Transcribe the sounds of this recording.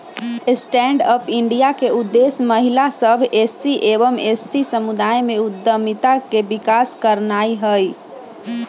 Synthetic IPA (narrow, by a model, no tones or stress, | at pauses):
sʈɛɳɖəpiɳɖijakeud̪ːesməɦilasəbʱesiʔebəmesːisəmud̪ajmeud̪ːəmit̪akebikaskəɾnaiɦəj